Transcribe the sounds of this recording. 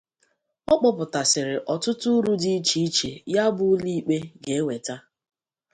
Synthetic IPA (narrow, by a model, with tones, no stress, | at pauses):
ɔ˦k͡pɔ˦pʊ˨ta˨sɪ˨ɾɪ˨ʔɔ˨tʊ˦tʊ˦ɾu˦di˦i˦t͡ʃi˦i˦t͡ʃe˨ja˦bʊ˦li˦i˦k͡pe˦ɡe˨e˦we˨ta˦